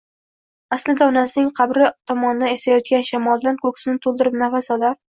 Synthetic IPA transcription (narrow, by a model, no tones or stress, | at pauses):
aslɪd̪aɒnasɪnɪŋqʰɑbɾɪt̪ʰɒmɒnɪd̪aesajɒt̪̚kʲanʃamɒlˠd̪ankʰɵkʲsɪnɪt̪ʰolˠd̪ɪɾɪp̚nafasɒlaɾ